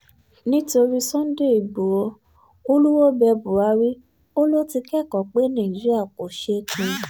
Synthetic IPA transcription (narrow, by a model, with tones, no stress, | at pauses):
nĩ˦to˧ɾi˦sɔ̃˦n˦de˦˨i˨ɡ͡bo˨˦ | o˦lu˦wo˦bɛ˧bu˨ɾa˨˦ɾi˦ | o˦lo˦ti˧kɛ˦˨kɔ˨k͡pe˨˦nã˦˨d͡ʒi˨˦ɾi˦a˦˨ko˨ʃe˦kʰũ˧˨